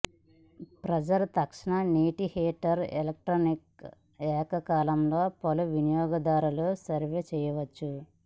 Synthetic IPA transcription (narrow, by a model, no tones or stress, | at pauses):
pɾɐd͡ʒɐɾt̪ɐkʂɐnɐniːʈiheːʈːɐɾḛlɐk̚ʈɾoːnik̚ | ɛːkɐkaːlɐmlo̞ːpɐluʋinijɔːɡɐd̪aːɾulusɐɾʋeːt͡ʃɛjɐʋɐt͡ʃːu